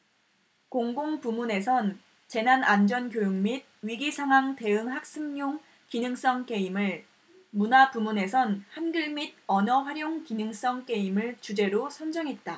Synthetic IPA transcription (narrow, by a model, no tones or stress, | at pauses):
koŋɡoŋpumune̞sʰʌn | t͡ɕe̞nanand͡ʑʌnkjojoŋmid̚ɥiɡisʰaŋwaŋte̞ɯŋɦak̚s͈ɯŋɲoŋ | kinɯŋs͈ʌŋk͈e̞imɯɭ | munapumune̞sʰʌnhanɡɯɭmid̚ʌnʌɸwaɾjoŋkinɯŋs͈ʌŋk͈e̞imɯɭt͡ɕud͡ʑe̞ɾosʰʌnd͡ʑʌŋɦe̞t̚t͈a